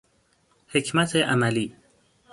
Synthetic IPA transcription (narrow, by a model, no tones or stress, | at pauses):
hecʰmæt̪ʰeʔæmæliː